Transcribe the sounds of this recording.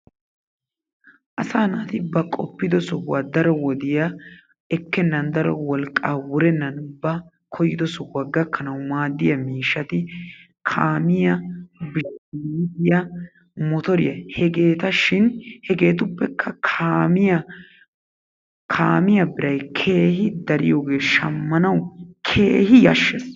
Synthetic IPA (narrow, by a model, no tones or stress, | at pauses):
ʔɐsaːnat̪ɪbɐkʼɔ̰pːɪd̪ɔsɔwɐd̪ɐɾɔwɔd̪ɪjɐ | ɛkːɛnːɐnd̪ɐɾɔwɔlkʼːaːwʊɾɛnːɐnbɐ | kʰɔjɪd̪ɔsɔwɐɡːɐkʰːɐnɐwʊmaːd̪ːɪjɐmiːʃːɐt̪ɪ | kʰaːmɪjɐbɪʃd̪ɪjɐ | mɔt̪ɔɾɪ̰jɐhɛɡe̞ːt̪ɐʃɪnhɛɡe̞ːt̪̬ʊpːɛkʰːɐkʰaːmɪjɐ | kʰaːmɪjɐbɪɾɐjkʰe̞ːhɪd̪ɐɾɪ̰joːɡe̞ːʃɐmːɐnɐwkʰeːhɪjɐ̰ʃːes